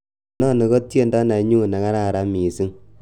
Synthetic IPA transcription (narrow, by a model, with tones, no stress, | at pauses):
nɔ˦˨ne˨ko˦tje˦nda˦na˨ɲu˦˨na˨ŋa˦ɾa˦˨ɾa˨˦mi˨si˦ŋ